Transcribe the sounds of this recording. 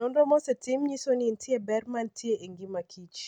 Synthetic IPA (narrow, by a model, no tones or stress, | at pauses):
ɔndɔmɔsɛtimɲisonintʰiebɛrmantʰjeʔeŋɡimakʰit͡ʃ